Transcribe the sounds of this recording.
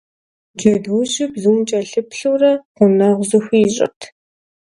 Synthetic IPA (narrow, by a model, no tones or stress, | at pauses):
d͡ʒɐduʑɪpzumt͡ʃʼɐɬɨpɬɨwrɐqʷʊnaʁʷzɨxʷijɪɕʼɪ̰tʰ